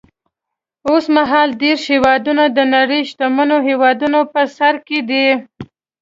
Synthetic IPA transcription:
osmaɦɑld̪eɾʃhewɑd̪unad̪ənaɾəjʃt̪amənoɦewɑd̪unopəsaɾked̪i

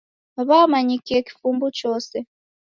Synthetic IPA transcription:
aβamaɲikeki̥fumbut͡ʃɔːsɛ

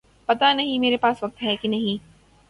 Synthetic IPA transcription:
pɐt̪anɐɦĩmeːɾepaːsʋɐk̚t̪ɦɛkinɐɦĩ

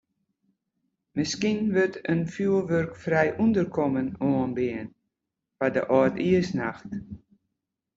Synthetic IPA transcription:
mɪskinʋøtʰənfjuːlˠʋørkfrɛjʔundərkʰɔmənoənbɪən | fadə̰ʔɔːtiəsnaxt

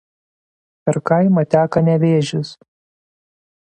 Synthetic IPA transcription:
pʲɛɾkɐɪmɐt̪ʲæːkɐnʲɛʋʲeːʒʲʊs

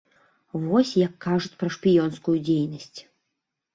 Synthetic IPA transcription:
vɔsʲjɐkːaʐut͡sʲpɾɐʂpʲijɔnskujud͡zʲejnɐsʲt͡sʲ

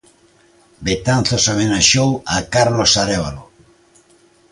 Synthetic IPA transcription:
bet̪anθosamenaʃowakaɾlosaɾeβa̰lo

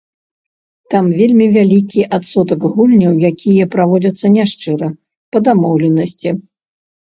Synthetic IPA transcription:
t̪amvʲelʲmʲivʲalʲikʲiʔat̪sɔt̪ɐɡɣulʲnʲɐwjakʲʰijɐpɾavɔd͡zʲɐt̪sːɐnʲaʂt͡ʂɨɾɐ | pɐd̪amɔwlʲɛnɐsʲt͡sʲi

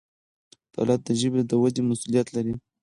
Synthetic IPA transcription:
d̪̥ɑ̰lat̪̚d̪əʒəbed̪əwad̪emasulijat̪laɾi

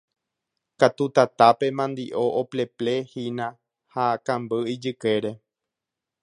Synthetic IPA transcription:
kat̪ut̪at̪ape̞mãnd̪iʔo̞ʔople̞ple̞hinã | hakãmbɨid͡ʒɨke̞ɾe̞

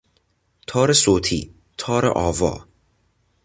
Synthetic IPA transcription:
t̪ʰɔːɾəsoːt̪ʰḭ | t̪ʰɔːɾə̰ʔɔvɔ̰

